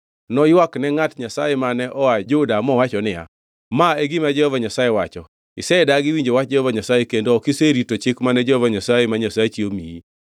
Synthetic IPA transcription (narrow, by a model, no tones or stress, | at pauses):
nɔjwaknɛŋatɲasajɛmanɛʔɔad͡ʒʊdamɔwat͡ʃɔnɪja̰ | maeɡɪmad͡ʒɛhɔvaɲasajewat͡ʃɔ | ɪsɛdaɡɪwiɲd͡ʒowat̚d͡ʒɛhɔvaɲasajekendoɔkɪseɾitot͡ʃɪkmanɛd͡ʒɛhɔvaɲasajemaɲasaet͡ʃiomijḭ